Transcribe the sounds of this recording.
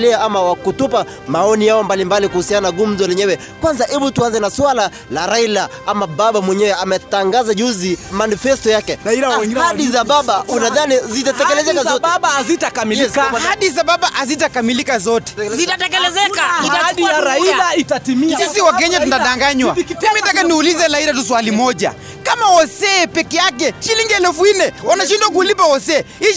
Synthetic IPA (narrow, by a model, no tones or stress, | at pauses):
lɛaamawakutupa | maɔnijaɔmbalimbalikuhusiananaɡum̩zɔlɛɲɛwɛ | kwanzaʔɛɓutuanzɛnaswala | laɾaila | amaɓaɓamwɛɲɛwɛamɛtaŋɡazaʄuzimanifɛstɔjakɛhaɗizaɓaɓaunaðanizitatɛkɛlɛzɛkazɔaɓaazitakamijikahaɗis̬aɓaɓaʔazitakamilikazɔtɛ̥zitatɛkɛlɛzɛkaiaɾaiaitatimisisiwakɛɲatuntaɗaŋɡaɲwamimitakaniulizɛlaiɾatuswalimɔʄa̰ | kamaɔsɛːpɛkɛjak̬ɛʃiliŋɡiɛlɛfuinɛwanaʃindwak̬ulipaɔsɛː | i